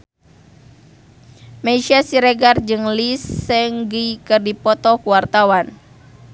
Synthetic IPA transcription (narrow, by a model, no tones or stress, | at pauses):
maiʃiasiɾɛɡard͡ʒɨŋlisːɛŋɡikɨrdipɔt̪ɔkuwart̪awan